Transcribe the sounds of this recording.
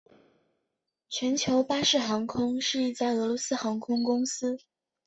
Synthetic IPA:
t͡ɕʰɥɛ˧˥nt͡ɕʰjo˧˥ʊpa˥ʂɻ̩˥˩xɑ˧˥ŋkʰʊ˥ŋʂɻ̩˥˧i˥˩t͡sa˥˩ɪɤ˧˥lwɔ˧˥sɹ̩˥xɑ˧˥ŋkʰʊ˥ŋkʊ˥ŋsɹ̩˥

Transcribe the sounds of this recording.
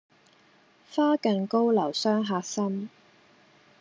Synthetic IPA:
faː˥kɐ˨˧nko˥wlɐ˨˩wsœː˥ŋɦaː˧k̚sɐ˥m

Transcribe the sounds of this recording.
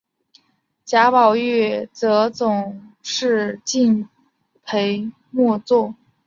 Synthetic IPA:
t͡ɕja˧˥pɑ˨˩ʊy˥˩t͡sɤ˧˥t͡sʊ˨˩ŋʂɻ̩˥˧t͡ɕi˥˧n | pʰe˧˥ɪ | mwɔ˥˧t͡swɔ˥˩

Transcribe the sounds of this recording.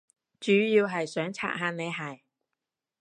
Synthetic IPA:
t͡ʃyː˨˥jiː˧wɦɐ˨jsœː˨˥ŋt͡sʰa̰ː˧t̚ɦaː˧nne˨˧jɦɐ˨˩j

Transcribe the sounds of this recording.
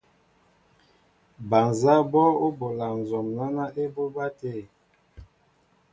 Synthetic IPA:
ba˨nza˦bɔ˦o˦bo˨la˨n˨zɔ˨mla˦na˦ʔe˦bo˦ba˦te˦˨

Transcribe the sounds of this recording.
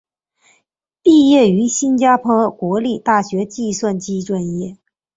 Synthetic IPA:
pi˥˧jɛ˥˩y˧˥ɕi˥nt͡ɕja˥pʰwɔ˥kwɔ˧˥li˥˩t̪a˥˩ɕɥɛ˧˥t͡ɕi˥˧swa˥˧nt͡ɕi˥ʈ͡ʂwa˥˧njɛ˥˩

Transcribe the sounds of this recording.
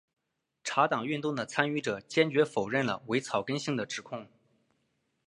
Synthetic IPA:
ʈ͡ʂʰa˧˥t̪ɑ˨˩ŋy˥˧nt̪ʊ˥˩ŋd̪ə˩t͡sʰa˥ny˥˩ʈ͡ʂɤ˨˩t͡ɕjɛ˥nt͡ɕɥɛ˧˥fo˨˩ʊɻə˥˩nlə̰˩we˧˥ɪt͡sʰɑ˨˩ʊkə˥nɕi˥˩ŋd̪ə˩ʈ͡ʂɻ̩˨˧˥kʰʊ˥˩ŋ

